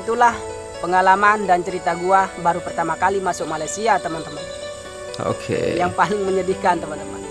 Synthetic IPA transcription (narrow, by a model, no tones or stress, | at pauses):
t̪ulah | pəŋalamandant͡ʃəɾit̪aɡuabaɾupərt̪amakalimasʊk̚malajsiat̪əmant̪əman | o̰kʰḛjaŋpalɪŋməɲədihkant̪əmant̪əma̰n